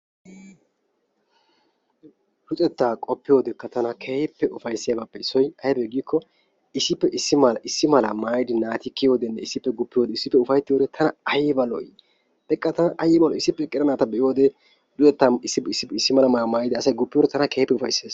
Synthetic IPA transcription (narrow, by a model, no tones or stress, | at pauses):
dʊt͡sʼɛt̪ːaːkʼɔpːɪjo̞ːd̪ɛkːɐt̪ɐnɐkʰepːɛʔʊfɐjsːɪjabaːpːɛɪsːɔjɐjbɛɡiːkʰːɔ | ɪsːɪpːɛʔɪsːɪmɐlɐʔɪsːɪmɐlɐmaːjd̪ɪnaːt̪ɪkːɪjo̞ːd̪ɛnːɛɪsːɪpːɛɡʊpːɪjoːd̪ɛɪsːɪpːɛʊfɐjt̪ːɪjoːd̪ɛt̪ʰɐnɐɐjɛbɐlɔ̰j | d̥ɛkʼːɐt̪ɐnɐʔɐjːɛbɐlɔɪsːɪpːɛkʼɪɾɐnaːt̪ɐbɛʔjo̞ːd̪ɛ | dʊɛt̪ːaɪsːɪɪsːɪɪsːɪmɐlɐmɐɐmaːjɪd̪ɪɐsɐjɡʊpːɪjoːd̪ɛt̪ʰɐnɐkeːpːɛʊfɐ̰jseːs